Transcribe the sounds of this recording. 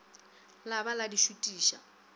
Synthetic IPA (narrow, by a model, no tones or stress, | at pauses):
labaladiʃutʼiːʃa̰